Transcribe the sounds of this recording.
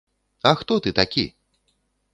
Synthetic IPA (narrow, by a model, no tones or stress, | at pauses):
ɐxt̪ɔt̪ɨt̪akʲḭ